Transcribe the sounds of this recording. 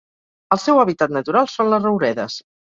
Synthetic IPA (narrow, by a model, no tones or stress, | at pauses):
əlˠsɛwəβ̞it̪at̪nət̪uɾalˠsonləzrəwɾɛðəs